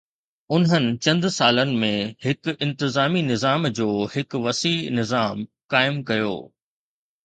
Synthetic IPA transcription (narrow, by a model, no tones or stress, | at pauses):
ʊnɦənɪ̆t͡ɕɐ̃nd̪saːlənɪ̆mẽhɪkɪ̃nt̪ɪzaːminɪzaːmd͡ʑoːhɪkʋɐsiːnɪzaːm | kaːɪmkɐjo̰ː